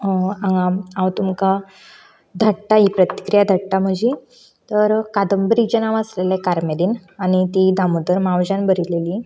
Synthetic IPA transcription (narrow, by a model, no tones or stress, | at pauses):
ãŋaãwt̪umka | d̪ʱəʈʈaɦipɾət̪i̥kɾijad̪ʱəʈʈam̤əd͡ʑi | t̪əɾkad̪əmbɾid͡ʑənaʋəslelekaɾmeliːnañit̪id̪ʱamud̪əɾmawd͡ʑanbəɾileli